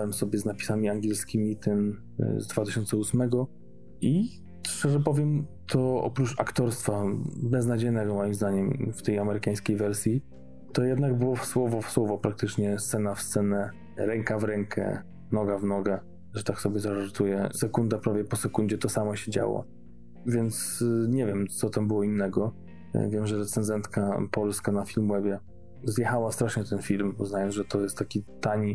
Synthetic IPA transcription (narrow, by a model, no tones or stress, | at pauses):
wɛmsɔbʲjɛznapʲisamʲiaŋɡʲɛlskʲimʲit̪ɛn | zd̪vat̪ɘɕɔnsɛusmɛɡɔ | i | ʂt͡ʂɛʐɛpɔvʲjɛmt̪ʰɔɔ̰pɾut͡ʂakt̪ɔɾst̪fabɛznad͡ʑejnɛɡɔmɔjimzd̪aɲɛmft̪ɛjamɛɾɘkaj̃skʲejvɛɾsʲji | t̪ɔjɛd̪naɡbɘwɔswɔvɔfswɔvɔpɾak̚t̪ɘt͡ʂɲɛst̪sɛnafst̪sɛnɛ | ɾɛŋkavɾɛŋkʰɛ̰ | nɔɡavnɔɡɛ | ʐɛt̪aksɔbʲɛzaʐaɾt̪ujɛsɛkund̪apɾavʲjɛpɔsɛkund͡ʑɛt̪ɔsamɔɕɛd͡ʑa̰wɔ̰ | vʲjɛnt̪sɲɛvʲjɛmt̪sɔt̪ambɘwɔinːɛɡɔ | vʲjɛmʐɛɾɛt̪sɛnzɛnt̪kapɔlskanafʲilmwɛbʲjɛ | zjɛxawast̪ɾaʂɲɛt̪ɛnfʲilmuznajɔnʐɛt̪ɔjɛst̪t̪ːakʲit̪aɲi